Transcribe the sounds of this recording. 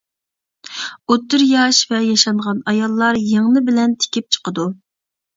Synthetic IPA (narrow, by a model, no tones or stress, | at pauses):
ot̪ːyɾjɑʃvɛjɑʃɑnʁɑnɑjɑlˠːɑɾjeŋnɨbɪlɛnt̪ʰɪ̥kʲʰip̚t͡ʃʰə̥qəd̪u